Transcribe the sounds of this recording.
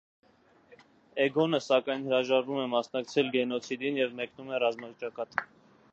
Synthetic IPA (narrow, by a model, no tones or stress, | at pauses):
ɛɡɔnəsɑkɑjnhəɾɑʒɑɾvumɛmɑsnɑk̚t͡sʰɛlɡɛnɔt͡sʰid̪injɛvmɛknumɛrɑzmɑt͡ʃɑkɑt̪